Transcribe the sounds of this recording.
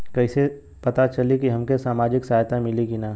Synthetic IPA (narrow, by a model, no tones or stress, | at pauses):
kɛɪse | pɐt̪at͡ʃɐlikiɦɐmkesaːmaːd͡ʒɪksaːɦjt̪amɪlikinaː